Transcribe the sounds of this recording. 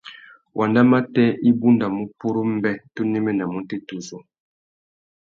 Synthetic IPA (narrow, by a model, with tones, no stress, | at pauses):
wʔa˨nda˦ma˦tɛ˦ʔi˦bu˦nda˨mu˦pu˦ɾo˦m̩˦bɛ˦to˦nɛ˦mɛ˦na˨mu˦te˦tu˨zo˨